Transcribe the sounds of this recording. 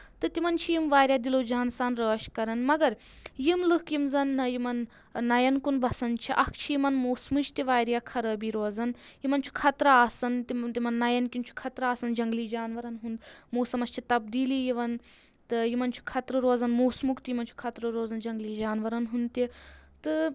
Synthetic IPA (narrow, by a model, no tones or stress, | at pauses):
t̪ɨt̪imɐnt͡ʃʰijimʋaːɾʲjaːd̪iloːd͡ʒaːnsaːnɾəːʃkɐɾɐnmɐɡɐɾ | jimlɨhkimzɐnjimɐnː | ɐjɐnkunbʱɐsɐnt͡ʃʰiʔɐkʰt͡ʃʰijimɐnmoːsmut͡ʃt̪iʋaːɾijakʰɐɾəːbiːɾoːzɐnjimɐnt͡ʃʰu̥kʰɐt̪ɾaaːsɐnt̪it̪imɐnːɐjɐnkʲint͡ʃʰu̥kʰɐt̪ɾaːsɐnd͡ʒɐŋɡliːd͡ʒaːnʋɐɾɐnɦund̪moːsɐmɐst͡ʃʰit̪ɐbd̪iːlijiʋɐn | t̪ɨjimɐnt͡ʃʰu̥kʰɐt̪ɾɨɾoːzɐnmoːsmukt̪jimɐnt͡ʃʰu̥kʰɐt̪ɾɨɾoːzɐnd͡ʒɐŋɡliːd͡ʒaːnʋɐɾɐnɦund̪t̪it̪ɨ